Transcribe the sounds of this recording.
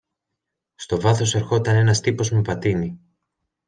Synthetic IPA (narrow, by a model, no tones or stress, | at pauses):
st̪o̞vɐθo̞se̞ɾxo̞t̪ɐne̞nɐst̪ipo̞zmepɐt̪ini